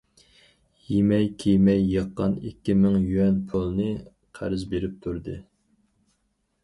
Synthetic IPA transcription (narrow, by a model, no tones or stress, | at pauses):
jimɛjkʲʰejmɛjːəqːɑnikʲːimɪŋjyɛnpʰulˠnɨ | qʰæ̰ɾɪzbeɾɪp̚t̪ʰuɾd̪ɨ